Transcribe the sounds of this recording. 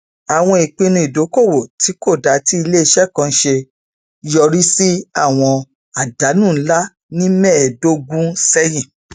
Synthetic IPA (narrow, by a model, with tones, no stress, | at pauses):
a˨w̃ɔ̃˧i˨k͡pĩ˧nũ˧i˨do˨˦ko˦˨wo˨tʰi˨˦ko˦˨da˨˦ti˦i˧le˦i˧ʃɛ˦˨kã˧˦ʃe˧ | jɔ˧ɾi˦si˦a˦˨w̃ɔ̃˧ | a˨da˨˦nũ˦˨˦la˦ | nĩ˦mɛ˦˨do˦ɡũ˦sɛ˦jĩ˦˨